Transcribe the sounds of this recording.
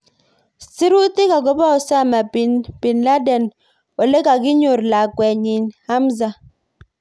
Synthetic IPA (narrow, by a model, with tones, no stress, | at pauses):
si˦ɾu˦t̪ɪ˦ka˨kɔ˦bɔ˦ɔ˨sa˦ma˨i˨npi˨nla˦dɛ˨n | o˨le˦ka˨kɪ˦ɲo˨ɾla˨kwɛ˨ɲɪ˨nha˦mza˨